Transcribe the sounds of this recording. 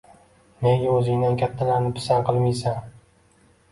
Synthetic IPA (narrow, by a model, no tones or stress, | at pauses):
neŋʲaɵzɪŋd̪ankʲʰat̪ʰːalaɾnɪpʰɪ̥sanqɨlˠmijsaŋ